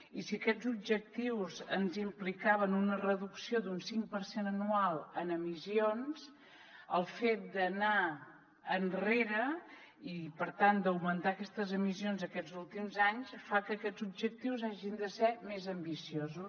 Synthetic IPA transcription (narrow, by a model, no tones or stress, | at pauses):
isiəkɛzub̚ʒək̚t̪iwzənzimplikaβənunərəðuksiod̪unsiŋpəɾsenənualˠənəmisions | əlˠfet̪̚d̪ənaː | nreɾə | ipəɾt̪and̪əwmənt̪aəkɛst̪əzəmisionzəkɛzulˠt̪imzaɲsfakəːkɛzub̚ʒək̚t̪iwzaʒind̪əsɛmezəmbisiozu